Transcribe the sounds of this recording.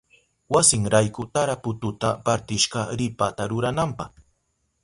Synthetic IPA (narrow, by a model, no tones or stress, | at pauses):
wasɪŋɾajkʊt̪aɾapʊt̪ʊt̪apaɾt̪ɪʃɢɑɾɪpat̪aɾʊɾanampɑχ